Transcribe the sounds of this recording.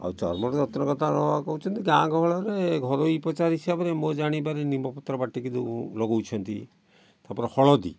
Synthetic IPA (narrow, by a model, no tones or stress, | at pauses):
a̰wt͡ʃɔ̰ɾmɔɾɔd͡ʒɔt̪ɾɔkɔt̪ʰanɔakɔɦut͡ʃʰɔnt̪iɡãɡɔɦɔɭɔɾeɡʱɔɾoipɔt͡ʃaɾɦisabɾemod͡ʒaɽ̃ipaɾinimɔpɔt̪ɾɔbaʈikid̪ulɔɡowt͡ʃʰɔnt̪i | t̪apɔɾehɔɭɔd̪ḭ